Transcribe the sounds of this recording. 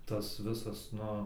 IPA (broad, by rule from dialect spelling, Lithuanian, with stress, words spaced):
ˈtɐs ˈʋʲɪsɐs ˈnʊ